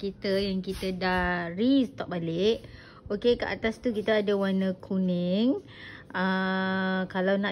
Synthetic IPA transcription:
kit̪əjaŋkit̪ədarist̪ɔʔ̚balɪʔ | okekəʔa̰t̪ast̪ukit̪aːdawanəkʰunɛŋ | ə | kalawnã

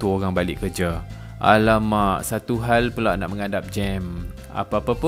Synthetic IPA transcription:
t̪uoɾaŋbalɪʔkərd͡ʒa | ʔa̰lamaʔsat̪uɦalpəlaʔna̰ʔməŋadap̚d͡ʒɛm | a̰paapapʊ

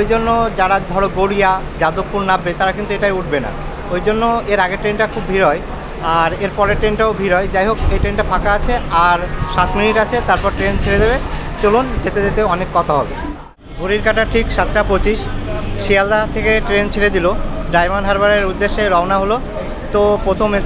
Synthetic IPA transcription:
ojd͡ʑonːod͡ʑaɽad̪ʱɔɽoɡoɽija | d͡ʑad̪ok̚pːuɾnabet̪aɾakint̪ueʈajuʈ̚ʰbena̰ | ojd͡ʑonːoeɾaɡeʈɾenʈakʰubbʱiɾɔj | aɾeɾpɔɾeʈɾenʈaobʱiɾɔed͡ʑajɦokejʈɾenʈapʰakaat͡ɕʰeaɾʃat̪miniʈat͡ɕʰet̪aɾpɔɾʈɾent͡ɕʰeɽed̪ebet͡ɕolond͡ʑet̪edet̪eɔnekːɔt̪ʰaɦɔbe | bʱuɾiɾkaʈaʈʰikʃat̪ʈapot͡ɕiʃʃiald̪at̪ʰekeʈɾent͡ɕʰeɽed̪iloɖajmanɖɦaɾbaɾeɾud̪ːeʃːeɾɔonaɦolo | t̪opɾot̪ʰome

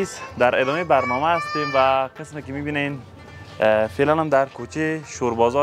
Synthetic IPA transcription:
isd̪aɾed̪ɒːmebaɾnɔːmæːst̪eːmvaqɪsmekimibinen | felanamd̪aɾkʰot͡ʃeʃoɾbɒːzɔ

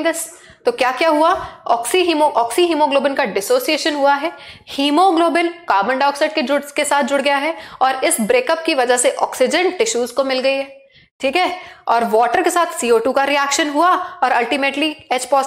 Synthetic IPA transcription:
d̪ɪs | t̪okjaːkjaːɦuaɔːksiɦimoʔɔːksiɦiːmoɡloːbɪnkaɖɪsoːsieːʃənɦuaɦɛːhiːmoɡloːbɪnkaːɾbə̃ɳɖɔːksɪɖ̚ked͡ʒʊɽskesaːt̪̚ʰd͡ʒʊɽɡɐjaɦɛɔːɾɪsbɾeːkəp̚kiʋɐd͡ʒəseʔɔ̰ːksɪd͡ʒə̃ɳʈɪʃuːzkomɪlɡɐiɦɛː | ʈʰiːkɦɛːɔːɾʋɔːʈəɾkesaːt̪ʰsiːoːʈuːkaɾiɛːkʃənɦuaɔːɾɐlʈimeːʈlieːt͡ʃpɔːs

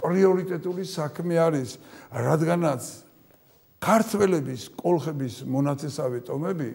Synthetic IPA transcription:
pʼɾiɔɾit̪ʼɛt̪ʼulisakʰmɛaɾisɾad̪ɡanat̪sʰ | kʰaɾt̪ʰwɛlɛbiskʼɔlˠχɛbismɔnat̪sʰɛsavit̪ʼɔmɛbi

